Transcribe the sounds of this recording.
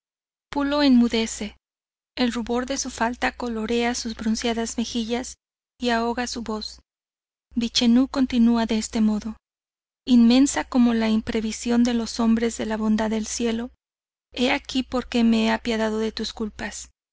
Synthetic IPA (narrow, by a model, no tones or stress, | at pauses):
pulo̞enmuðe̞se̞ː | lruβo̞ɾðe̞sufalt̪ako̞lo̞ɾe̞asuzβɾunsjaðazme̞xiʝas | iao̞ɣasuβo̞s | bit͡ʃe̞nuko̞nt̪inuaðe̞est̪e̞mo̞ðo̞ | inme̞nsako̞mo̞laimpɾe̞βisjo̞nd̪e̞lo̞so̞mbɾe̞zðe̞laβo̞nd̪aðe̞lsje̞lo̞ | e̞akipo̞ɾke̞me̞eapjaðað̞o̞ðe̞t̪uskulpas